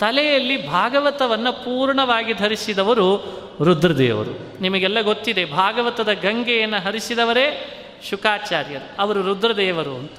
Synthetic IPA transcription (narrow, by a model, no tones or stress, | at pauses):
t̪ɐlɛjɐlːibʱaːɡɐʋɐt̪ɐʋɐnːɐpuːɾɳɐʋaːɡid̪ʱɐɾisid̪ɐʋɐɾu | ɾud̪ɾɐd̪ɛ̰ːʋɐ̰ɾṵ | nimɐɡɛlːɐɡo̞t̪ːid̪e̞bʱaːɡɐʋɐt̪ɐd̪ɐɡɐŋɡɛjɐnːɐɦɐɾisid̪ɐʋɐɾeː | ʃukaːt͡ʃaːɾjɐɾuɐʋɐɾuɾud̪ɾɐd̪ɛːʋɐɾuɐnt̪ɐ